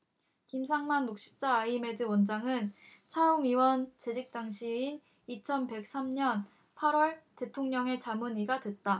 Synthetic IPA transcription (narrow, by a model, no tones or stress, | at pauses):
kims̬ʰaŋmanːok̚ɕ͈i̥p̚t͡ɕ͈aːime̞dɯwʌnd͡ʑaŋɯnt͡ɕʰaumiwʌnt͡ɕe̞d͡ʑik̚t͈aŋɕʰiin | it͡ɕʰʌnpe̞k̚s͈amɲʌn | pʰaɾwʌɭte̞tʰoŋɲʌŋe̞t͡ɕamɯniɡadwe̞t̚t͈a